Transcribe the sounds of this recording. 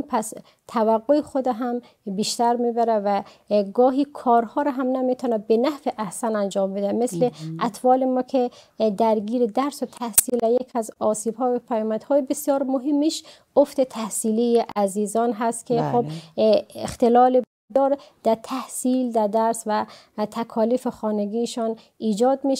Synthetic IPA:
pʰæs | t̪ʰævæɡːoexod̪æɦæm | biʃt̪æɾmibæɾævæ | ɡɒːɦiːkʰɒːɾhɒːɾɔɦæmnæmit̪ʰɔːnæbenæhfeʔæhsænænd͡ʒɒːmbed̪æmesleʔæt̪ʰfɒːlemɔkʰe | d̪æɾɡiːɾed̪æɾsot̪ʰæhsiːlæjekʰæzɒsiːbhɔːbepʰæjɔːmæd̪̥hɔjebesjɒːɾmoɦemːiʃ | oft̪et̪ʰæhsilijeʔæzizɒnɦæst̪kʰexob | ext̪elɒːleb | d̪ɒɾd̪̥æt̪ʰæhsild̪æd̪æɾsvæ | t̪ʰækʰɒːlifexɔːneɡiʃɔn | iːd͡ʒɒːd̪miʃ

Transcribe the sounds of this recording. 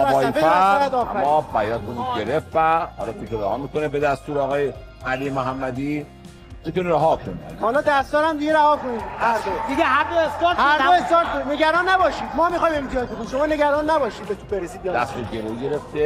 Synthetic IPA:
æɒːefefæjæd̪ɒːfæɾmːɒbæjɒːnkʰoniɟeɾefvæhɒ̰lɒːt̪ʰukʰeɾæhɒːmikonebed̪æst̪uːɾɒːɣɒːje | ælijemoɦæmːæd̪i | t̪ʰokonɾæɦɒkʰon̰hɒːlɒːd̪æst̪ɒːɾæmd̪iɡeɾæhɒːkoniːd̪hæɾd̪od̪iɡeɦæɾd̪oest̪ɒːɾhæɾd̪oest̪ɒːɾt̪koineɡæɾɒːnːæbɒːʃiːd̪mɒːmixɒjime̞mt̪ʰijɒːd͡ʒbokʰoinʃo̞mɒːneɡæɾɒːnːæbɒːʃiːd̪̚bet̪ʰubeɾesiːd̪bijd̪æst̪uɾɡeɾoiɡeɾeft̪e

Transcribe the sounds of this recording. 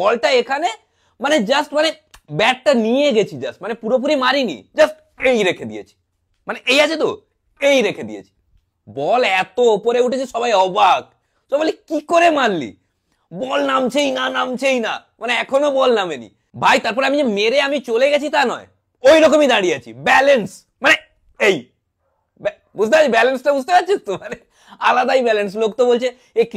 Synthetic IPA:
bɔlʈaekʰane | maned͡ʒəsʈmane | bɛʈʈanijeɡet͡ɕʰid͡ʒɐsʈmanepuɾop̬uɾimaɾinḭd͡ʒɐsʈ | ejɾekʰed̪ijḛt͡ɕʰi̥ | maneʔejat͡ʃʰet̪o | kejɾekʰed̪ḭḛt͡ɕʰi̥ | bɔlɛt̪opoɾeuʈet͡ʃʰiʃɔbajɔbak | sɔbalikikoɾemanlḭ | bɔlnamt͡ɕʰejnanamt͡ɕʰejna | maneɛkʰonobɔlnamenḭ | bʱajt̪aɾp̬ɔɾeamid͡ʑemeɾeamit͡ɕoleɡɛt͡ɕʰit̪anɔe | ojɾɔkomid̪aɽiat͡ɕʰibɛlens | mane | ej | bɛ | bud͡ʑʱt̪epat͡ɕʰibɛlensʈabud͡ʑʱt̪epat͡ɕʰot̪omane | alad̪ajbɛlens̬lokt̪obolt͡ɕʰe | ek

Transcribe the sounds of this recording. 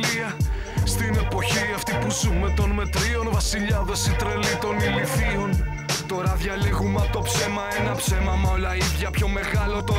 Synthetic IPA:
iɐ | st̪ine̞po̞çiɐft̪ipuzume̞t̪o̞nme̞t̪ɾio̞nvɐsiʎɐðesit̪ɾe̞lit̪o̞nilifio̞n | t̪o̞ɾɐðʝɐliɣumɐpt̪o̞pse̞mɐenɐpse̞mɐmɐolɐiðʝɐpço̞me̞ɣɐlo̞t̪o

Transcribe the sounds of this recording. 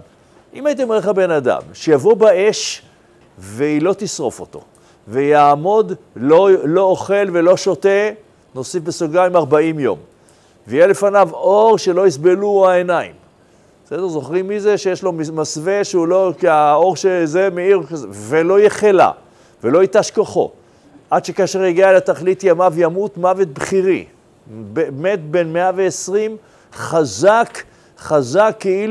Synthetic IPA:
ʔimait̪̬emeeχabe̞nad̪a̰mʃejavo̞bae̞ʃ | veilo̞t̪isʁo̞fo̞t̪o̞̰ | vejaːmo̞d̪ | lolo̞oχe̞lve̞lo̞ʃote̞ | no̞sifbesoɡaimaʁbaimjo̞̰m | veijele̞fanavo̞ʁʃe̞lo̞isbe̞luaenaḭm | bsed̪eʁzo̞χʁimːizeʃejeʃlo̞masve̞ʃeulokiao̞ʁʃezemeiʁkazevelo̞jeχela̰ | velo̞it̪aʃkaχo̞̰ | ʔadʃekaːʃeʁhiɡiaelat̪aχlit̪jamavjamut̪mavet̪̚bχiʁḭ | beme̞t̪be̞nmeaveːsʁim | χazak | χazakːei

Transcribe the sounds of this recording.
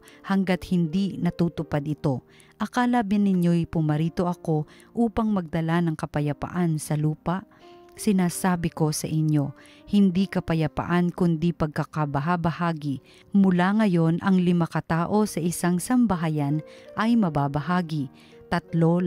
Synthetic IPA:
hɐŋɡat̪̚hɪnd̪inɐt̪uːt̪ʊpad̪ɪt̪o̞ | ʔɐkalabɪnːɪɲjo̞jpʊmɐɾiːt̪o̞ʔɐko̞ | ʔuːpɐŋmɐɡ̚d̪ɐlanɐŋkɐpɐjɐpa̰ʔansɐluːpaʔ | sɪnaːsaːbɪko̞sɐʔɪɲjo̞ | hɪnd̪ikɐpɐjɐpɐ̰ʔankʊnd̪ipɐɡ̚kɐkɐbɐɦabɐhaːɡɪ | mʊlaŋɐjo̞nʔɐŋlɪmakɐt̪aːʔo̞sɐʔɪsaŋsɐmbɐɦajanʔɐjmɐbaːbɐɦaːɡi | t̪ɐt̪lo

